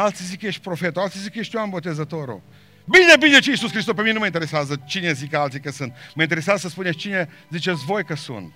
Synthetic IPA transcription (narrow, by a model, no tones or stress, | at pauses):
alt̪sizikəjeʃt̪̚ʲpɾofet̪oalt̪sizikəjeʃt̪ʲjuanbot̪ezət̪oɾo̰ | binebinet͡ʃeisuskɾist̪ospemienuməint̪eɾesazət͡ʃinezikəalt̪sikəsɨnt̪̚məint̪eɾesjazəsəspunest͡ʃine | zit͡ʃesvojkəsṵnt̪